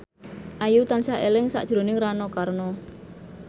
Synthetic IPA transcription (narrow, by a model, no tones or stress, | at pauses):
ʔajut̪ansaʔelɪŋsa̰ʔd̥ʒ̥ɾo̤nɪŋranɔkarnɔ